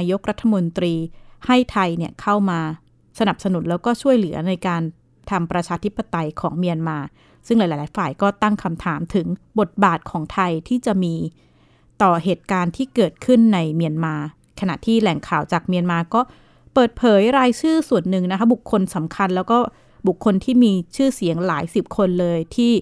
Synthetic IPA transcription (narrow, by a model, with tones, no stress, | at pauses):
jo˦˥k̚ɾa˦˥t̪ʰːa˧mo˧nt̪ɾiː˧ha˥˩jt̪ʰa˧jni˥˩əkʰa˥˩wmaː˧ | sa˧na˨˩p̚sa˧nu˨˩˦nlɛː˦˥wkɔː˥˩t͡ɕʰu˥˩əjlɯ˩˦ɐna˧jkaː˧n | t̪ʰa˧mpɾa˧t͡ɕʰaː˧t̪ʰi˦˥pːa˧t̪a˧jkʰɔː˩˦ŋmi˧ənmaː˧ | sɯ˥˩ŋlːjlːlaː˨˦jfaː˨˩jkɔː˥˩t̪a˥˩ŋkʰa˧mt̪ʰaː˩˦mt̪ʰɯ˩˦ŋbo˨˩t̪̚baː˨˩t̪̚kʰɔː˩˦ŋt̪ʰa˧jt̪ʰiː˥˩t͡ɕa˨˩ʔmiː˧ | t̪ɔː˨˩heː˨˩t̪̚kaː˧nt̪ʰiː˥˩kɤː˨˩t̪̚kʰɯ˥˩nːa˧jmi˧ənmaː˧ | kʰa˧na̰˨˩t̪ʰiː˥˩lɛ˨˩ŋkʰaː˨˩wt͡ɕaː˨˩k̚mi˧ənmaː˧kɔː˥˩ | pɤː˨˩t̪̚pʰɤː˩˦jɾaː˧jt͡ɕʰɯː˥˩su˨˩ənːɯ˨˩ŋna˦˥kʰa˦˥bu˨˩kʰːo˧nsa˩˦mkʰa˧nlɛː˦˥wkɔː˥˩ | bu˨˩kʰːo˧nt̪ʰiː˥˩miː˧t͡ɕʰɯː˥˩si˨˩˦əŋlaː˩˦jsi˨˩p̚kʰo˧nlɤː˧jt̪ʰiː˥˩